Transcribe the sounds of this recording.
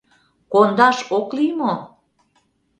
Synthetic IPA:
kond̪ɑʃoklimo

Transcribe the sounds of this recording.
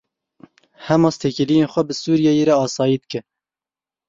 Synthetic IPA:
hɛmɑːst̪ʰeːkɪlijenxʷɛbɨsuːɾijɛjeɾɛɑːsɑːjid̪̚kɨ

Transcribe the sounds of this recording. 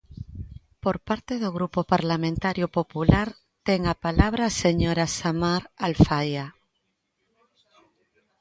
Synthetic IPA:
poɾpaɾt̪eðoɣɾupopaɾlamẽnt̪aɾjopopulaɾ | t̪eŋapalaβ̞ɾaseɲoɾasamaɾalfaja

